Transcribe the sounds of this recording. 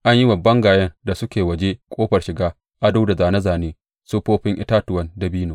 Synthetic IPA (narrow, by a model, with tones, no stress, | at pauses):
ʔa˦ɲji˦bɐ˨bːɐ˦ŋɡaː˨jɐ˦nda˨sʊ˦kʲeː˨wɐ˨d͡ʒe˦kʷʼoː˦ɸɐ˨rʃɪ˨ɡaː˦ | ʔa˦da˦wda˨zaː˨nɐ˦zaː˨neː˦ | su˦ɸoː˦ɸɪ˦ŋʔɪ̰˦taː˦tʊ˨wɐ˦nda˨biː˦noː˨